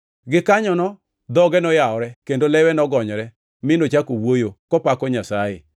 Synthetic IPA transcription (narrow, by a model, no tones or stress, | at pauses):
ɡɪkaɲɔnɔ | d̪ɔɡɛnɔjaɔɾɛkendolɛwɛnɔɡɔɲɔɾɛ | mɪnot͡ʃakowojokɔpakɔɲasajḛ